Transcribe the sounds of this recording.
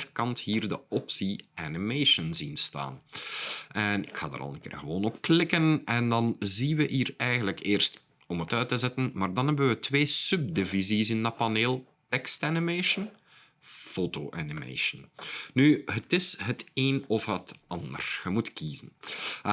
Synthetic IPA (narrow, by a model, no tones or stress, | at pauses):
ərkɑnthiːrdəɔpsiʔanimeːʃənzinsta̰ːn | ʔɛnɪkxa̰ːdə̰ɾɑ̰lˠəkɪ̰ːrɣəʋoːnɔp̚klɪkənɛndɑnzinʋəʔiːrɛjɣəndləkeːrst | ɔmətœɥtəzɛtənmaːrdɑnɦɛbənʋətʋeːsɵb̚dɪvizisɪndapɑneːlˠ | tɛkstanimeːʃən | foːtoːʔanimḛːʃənnyɦətɪsɦəteːnɔfɦətɑndə̰rxəmutkiːzən